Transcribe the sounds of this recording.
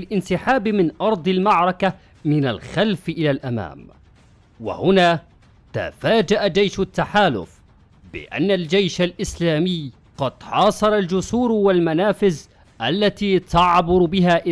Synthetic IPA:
lʔɪnsɪħaːbmɪnʔɑɾˤd̪ˤɪlmaʕɾˤɑka | mɪnalxalfʔɪlalʔama̰ːm | wa̰hʊnaː | t̪a̰faːd͡ʒaʔad͡ʒajʃʊt̪ːaħaːlʊ̰f | bɪ̰ʔa̰nːald͡ʒajʃalʔɪslaːmɪjː | qɑd̪̥ħɑːsˤɑɾˤɑld͡ʒʊsuːɾwalmanaːfɪz | ʔalːat̪iːt̪ɑʕbʊɾbɪɦaːʔɪ

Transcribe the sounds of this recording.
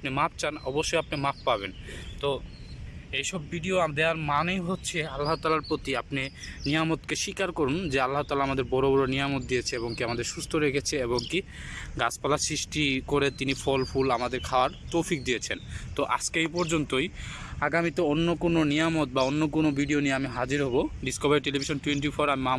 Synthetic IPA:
apnemap̚ʰt͡ɕanɔboʃːojapnemapʰːaβent̪o | ejʃɔbːʱiɖioad̪eaɾmanejɦotːɕʰealːaɦot̪alaɾpɾot̪iapnenijamot̪keʃikaɾkoɾund͡ʑealːaɦot̪aːlaamad̪eɾbɔɾobɔɾonijamot̪̚d̪ijet͡ɕʰeeboŋkiamad̪eɾʃust̪ʰoɾekʰet͡ɕʰeeboŋki | ɡaspalasɾiʃʈikoɾet̪inifʰɔlpʰulamad̪eɾkʰaoaɾt̪owfik̚d̪ijet͡ɕʰent̪oʔa̰skejpɔɾd͡ʑont̪oj | aɡamit̪oonːokononijamot̪̚baonːokonobiɖionieamiɦad͡ʑiɾɦoboɖiskobaɾiʈelibʱiʃonʈuweɳʈifʰoɾamima

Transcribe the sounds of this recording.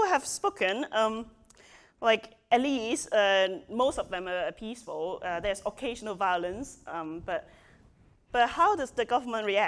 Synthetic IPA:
ɦɛv̥spokʰə̃nʌ̃m | laɪk | ɛt̚listʌmostɔvðɛ̃məːpʰisfɔlʌdɛsɔkʰeɪʒənəlvaɪələ̃nsʔʌ̃mb̥ʌt̚ | b̥ʌt̚haʊdʌsdəɡʌvəmə̃ntɹiæ

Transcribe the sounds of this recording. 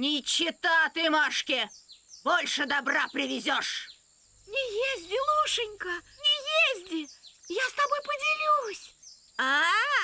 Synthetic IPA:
nʲɪt͡ɕːɪt̪at̪ɨmaʂkʲɪbolʲʂɨd̪ɐbrapɾʲɪvʲɪzʲɔʂ | nʲɪjezʲdʲɪlˠuʂɨnʲkənʲɪjezʲdʲɪjast̪ɐbojpədʲɪlʲusʲ | a

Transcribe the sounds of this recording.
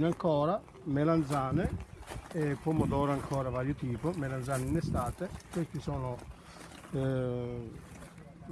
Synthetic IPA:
naŋkɔːɾa | meland̪zaːne | epːɔmːod̪ɔːɾaŋkʰɔːɾavaːɾjot̪iːpʊmelanzaːninest̪aːt̪ekeskisɔːnʊ

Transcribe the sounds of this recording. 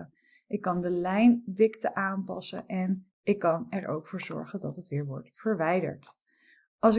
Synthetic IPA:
ə | ʔɪkːɑndəlɛjndɪktəʔaːnpɑ̰sə̰ʔɛn | ɪkːɑnɛɹo̰wkfʊːɹzɔ̰ɹχəndɑtɦətʋɪːɹʋɔ̰ɹtfəɹʋɛjdə̰ɹt | ʔɑlˠsɪ

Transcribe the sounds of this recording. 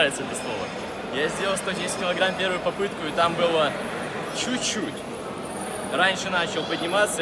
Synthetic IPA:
vʲɪt̪səɛt̪əslˠovə̰ | jazʲdʲelʲəlˠst̪odʲesʲɪt̚ʲkʲɪlˠɐɡɾampʲe̞ɾvɨjʊpɐpɨt̪kʊɪt̪ambɨlˠə | t͡ɕutʲt͡ɕːutʲ | ranʲʂɨnat͡ɕɪlˠpədʲnʲɪmat̪sə

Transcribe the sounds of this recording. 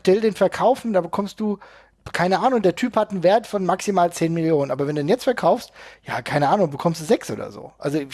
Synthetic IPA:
ʃtɛldeːnfɛɐkʰaʊfn̩daːbəkʰɔmstd̥uː | kʰaɪnəʔaːnʊŋdeːɐtʰyːphatn̩veːɐtfɔnmaksimaːlt͡seːnmɪljoːnənʔaːbɐvɛndudːnjɛt͡stfɛɐkʰaʊfstja̰ːkʰaɪnəʔaːnʊŋbəkʰɔmstd̥uːzɛksʔo̰ːdɐ̰zo̰ːʔa̰lzo

